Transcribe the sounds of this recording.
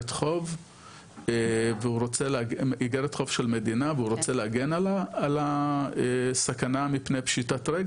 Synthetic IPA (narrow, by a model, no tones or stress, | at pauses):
tχo̞v | veuɾot͡seleaiɡeɾet̪χo̞v̥ʃelme̞dinaveuɾo̞t͡seleaɡenalaːlaesakanamipnejpʃitatʁeɡ